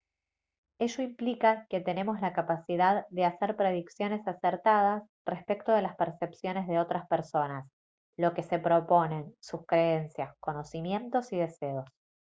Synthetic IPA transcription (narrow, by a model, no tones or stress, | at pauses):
e̞ʒo̞implikake̞t̪e̞ne̞mo̞zlakapasiðaððe̞aseɾpɾe̞ð̞iksjo̞ne̞saseɾt̪að̞as | respe̞k̚t̪oð̞e̞laspeɾsepsjo̞ne̞zðeo̞t̪ɾaspeɾso̞nas | lo̞ke̞se̞pɾo̞po̞ne̞nsuskɾe̞ensjasko̞no̞simje̞nt̪o̞siðe̞se̞o̞s